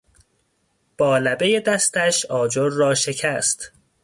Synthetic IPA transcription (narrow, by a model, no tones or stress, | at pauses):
b̥ɒːlæbe̞jed̪æst̪ʰæʃɒːd͡ʒoɾːɒːʃe̞cʰæst̪